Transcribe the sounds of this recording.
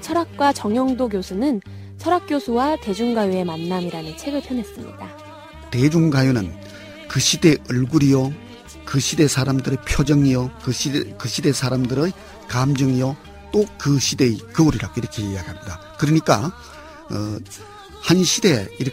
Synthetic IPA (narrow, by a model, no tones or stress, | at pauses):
t͡ɕʰʌɾak̚k͈wat͡ɕʌŋjʌŋdoɡjosʰunɯn | t͡ɕʰʌɾak̚k͈josʰuwate̞d͡ʑuŋɡajue̞manːamiɾanɯnt͡ɕʰe̞ɡɯɭpʰjʌnɦe̞s͈ɯmɲḭda | te̞d͡ʑuŋɡajunɯn | kɯɕʰide̞ʔɯɭɡuɾijo | kɯɕʰide̞sʰaɾamdɯɾepʰjod͡ʑʌŋijʌ | kɯɕʰide̞sʰaɾamdɯɾɯj | kamd͡ʑɯŋijʌ | t͈okɯɕʰidekɯuɾiɾaɡoiɾʌkʰe̞jiaɡiɦamɲida | kɯɾɯɲik͈a | hanɕʰide̞iɾ